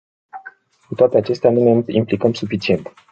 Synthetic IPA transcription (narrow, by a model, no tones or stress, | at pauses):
kut̪oat̪eat͡ʃe̞st̪eanune̞implikəmsufit͡ʃie̞nt̪